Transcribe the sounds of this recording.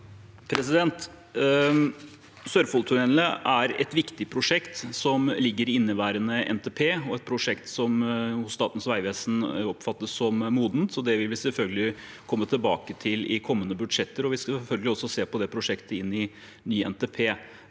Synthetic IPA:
pʰɾɛsɪd̪ɛnt̪ | sœɾfɔlt̪ʰʉnɛləʔæɾɛ̰t̪ʋɪkt̪ɪpʰɾʊʂɛkt̪sɔmlɪɡːəɾɪnːəʋæːɾənəʔɛ̰nt̪eːpʰeːɔɛt̪̚pʰɾʊʂɛkt̪sɔmhʊsst̪ɑːt̪n̩sʋæɪʋeːsn̩ɔpfɑt̪ːəsːɔmmuːd̪nt̪sɔd̪ɛʋɪlʋɪsɛlfœlɡəlɪ | kʰɔmːət̪ʰɪlbɑːkət̪ʰɪlɪkʰɔmːənːəbʉd̪ʂɛt̪ːəɾɔʋɪskɑfœlɡəlɪɔsɔseːpɔd̪ɛpʰɾʊʂɛkt̪ʰəɪnːɪ | nyːɛ̰nt̪epʰeː

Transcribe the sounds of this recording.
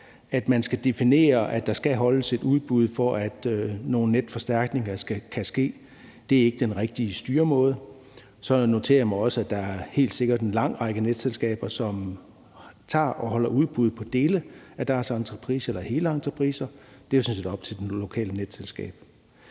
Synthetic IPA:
æd̥mænsɡ̥æd̥e̝fine̝̰ːɐʔæ̥ɑ̈sɡ̥æɦɒ̽ləse̝d̥uð̞ˠb̥uð̞ˠfɒʔæd̥no̝ːn̩ːed̥fɒ̽sd̥æɐ̰ɡ̥ne̝ŋɐsɡ̥ækʰæsɡ̥e̝̰ː | d̥e̝æɐe̝ɡ̥əd̥enʁeɡ̥̚d̥iəsd̥yːɐmɔ̽ːð̞ˠ | sɒ̽no̝t͡sʰe̝̰ːɐjmɑ̈ɪɒ̽səæd̥ɑ̈æɐhe̝̰ːld̥se̝ɡ̥ɐd̥e̝nlɑ̈ŋ̰ʁɑ̈ɡ̥əned̥selsɡ̥ɛ̰ːb̥ɐsɒ̽m | t͡sʰɑ̰̈ːʔɒhɒ̽lɐuð̞ˠb̥uð̞ˠpʰɒ̽d̥e̝ːləæd̥æɐsɑ̈nt͡sʰʁɐpʰʁḭːsɐelɐhe̝ːləɑ̈nt͡sʰʁɐpʰʁiːsɐd̥e̝jose̝nse̝d̥ɒ̽b̥t͡sʰe̝d̥elo̝kʰɛ̰ːləned̥selsɡ̥ɛ̰ːb̥̚

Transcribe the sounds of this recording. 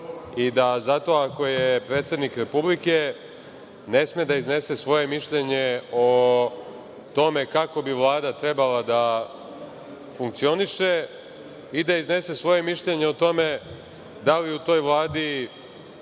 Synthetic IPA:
id̪azat̪o̞ako̞jepɾet̪sʲe̞d̪nikɾe̞publike̞ | ne̞smed̪aizne̞se̞sʋo̞je̞miʃʎeɲe̞o̞ | t̪o̞me̞kako̞biʋlˠaːd̪at̪ɾebalad̪a | fuŋk̚t̪sio̞niʃe | id̪aizne̞se̞sʋo̞je̞miʃʎeɲe̞ot̪o̞me̞ | d̪aliut̪o̞ːjʋlˠaːd̪i

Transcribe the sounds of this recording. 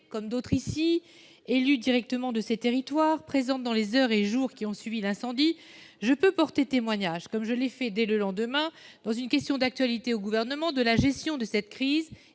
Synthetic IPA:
kɔmd̪ot̪χisi | elyd̪iʁɛk̚t̪əmɑ̃d̪əset̪eʁit̪waʁpχezɑ̃t̪̚d̪ɑ̃lezœʁeʒuʁkʲiɔ̃sɥivilɛ̃sɑ̃d̪i | ʒəpøpɔʁt̪et̪emwaɲaʒkɔmʒəlɛfɛd̪ɛləlɑ̃d̪əmɛ̃d̪̥ɑ̃zynkʲɛst̪jɔ̃d̪ak̚t̪ɥalit̪eoɡuvɛʁnəmɑ̃d̪əlaʒɛst̪jɔ̃d̪əsɛt̪kχiːz

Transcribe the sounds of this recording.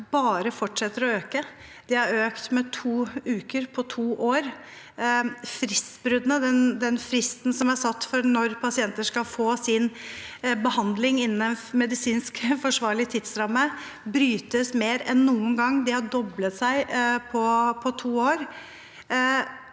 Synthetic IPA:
bɑːɾəfɔʈʂɛt̪ːəɾɔøːkəd̪̥ɛhɑɾøːkt̪mɛt̪ʰuːʉːkəɾpʰɔt̪ʰuːʔoːɾ | fɾɪst̪bɾʉd̪nəd̪ɛnd̪ɛnfɾɪst̪n̩sɔmæsɑt̪ːfɔɾnɔɾpʰɑsɪɛnt̪əʂkɑlfoːsɪn | bəhɑnd̪lɪŋɪnːn̩ɛnmɛd̪ɪsiːnskfɔʂʋɑːɾɭɪt̪ʰɪd̪sɾɑmːə | bɾyːt̪əsmeːɾɛnːuːənɡɑŋːd̪ɪhɑɖɔblət̪sæɪpʰɔpʰɔt̪ʰuːoːɾ

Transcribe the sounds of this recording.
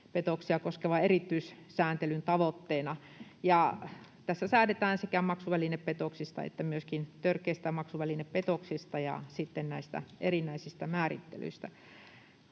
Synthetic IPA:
pet̪oksiɑkoskeʋɑerit̪ːyis | sæːnt̪elynt̪ɑʋot̪ːeːnɑ | jɑ | t̪æsːæsæːnet̪æːnsekæmɑksuʋælineppet̪oksist̪ɑ̰ḛt̪ːæmyøskint̪ørkːˑeist̪æmɑksuʋælineppet̪oksist̪ɑjɑ̰sit̪ːennæist̪æ̰ʔerinːˑæisist̪æmæːrḭt̪ːḛly̰ist̪æ

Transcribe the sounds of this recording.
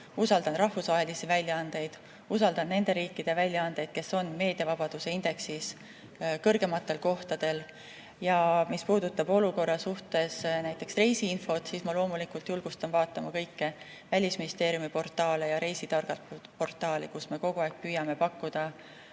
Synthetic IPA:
usɑld̪ɑnrɑhfusvɑɦe̞lisivælʲjɑɑnd̪̥e̞jd̪̥ | usɑld̪̥ɑnːe̞nd̪e̞ɾiːkːid̪̥evælʲjɑɑnd̪̥e̞jd̪̥̚ke̞so̞nːme̞ːd̪̥iɑvɑb̥ɑd̪̥use̞ind̪̥e̞ksis | kɤrɡ̥e̞mɑt̪ˑːe̞lko̞ht̪ɑd̪̥e̞l | jɑmispuːd̪ut̪ːˑɑbo̞luko̞rːɑsuht̪e̞snæjt̪ːˑe̞ksre̞jsiinfo̞t̪siːsmɑlo̞ːmulikːult̪julɡ̥ust̪ɑnvɑːt̪ːˑɑmɑkɤjkːe | vælʲisminist̪e̞ːɾjumipo̞rt̪ˑɑːle̞jɑɾe̞jsid̪ɑrɡ̥ɑlpo̞rt̪ːˑɑːlikusme̞ko̞ɡ̥uɑːk̚pyjɑme̞pɑkːud̪̥ɑ

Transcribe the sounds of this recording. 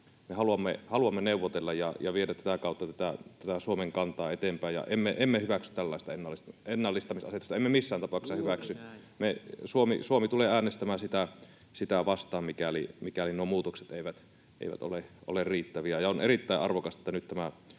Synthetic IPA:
mehɑluɑmːehɑluɑmːeneˑuʋːˑot̪elːɑjjɑjɑʋiedæt̪tæt̪ækɑˑut̪ːɑt̪æt̪æt̪æt̪æsuomeŋkɑnt̪ɑːet̪empæˑejɑ̰ʔemːeʔemːehyʋæksy̥t̪t̪ælːɑˑest̪ɑenːɑlːisenːɑlːist̪ɑmisɑset̪ust̪ɑemːemisːæːnt̪ɑpɑˑuksːɑhyʋæksy | mesuomḭsuomit̪uleæːnest̪æmæːsit̪æ | sit̪æʋɑst̪ˑɑːmmikælḭmikælinuomuːt̪okset̪eˑiʋæt̪ | ʔḛˑiʋæ̰t̪o̰leʔo̰lerriːt̪ːæʋiæjɑonerit̪ːæˑiʔɑrʋokɑset̪ːænyt̪t̪æmæ

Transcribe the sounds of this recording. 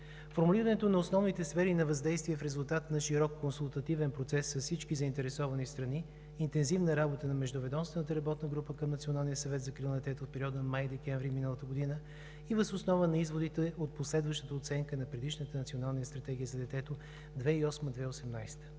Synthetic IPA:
foɾmuliɾənɛt̪onɐosnɔvnit̪ɛsfɛɾinɐvɐzd̪ɛjst̪viɛfɾɛzʊlˠt̪at̪nɐʃiɾɔkːonsulˠt̪ɐt̪ivɛnpɾot̪sɛsːɐfsit͡ʃkizəint̪ɛɾɛsɔvɐnist̪ɾɐniː | nt̪ɛnzivnəɾabot̪ənɐmɛʒd̪ʊvɛd̪ɔmst̪vɛnət̪əɾɐbɔt̪nəɡɾupəkəmnɐt̪sionalˠnijəsɐvɛt̪zɐkɾilˠnd̪ɛt̪ɛt̪ot̪pɛɾiɔd̪əmajd̪ɛkɛɱvɾiminəlˠət̪əɡod̪inə | ivəzosnɔvənɐizvod̪it̪ɛot̪̚poslɛd̪vəʃt̪ət̪əot̪sɛŋkənɐpɾɛd̪iʃnət̪ənɐt̪sionalˠniəst̪ɾɐt̪ɛɡʲiəzɐd̪ɛt̪ɛt̪o | d̪vɛiɔsməd̪vɛosɛmnajst̪ə̥

